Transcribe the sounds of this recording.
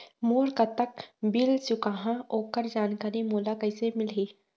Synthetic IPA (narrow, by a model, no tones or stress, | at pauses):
moːɾkat̪ːəkbilsʊkaːɦãoːkəɾd͡ʒaːnkaːɾimuːlakɐɪsemɪlɦiː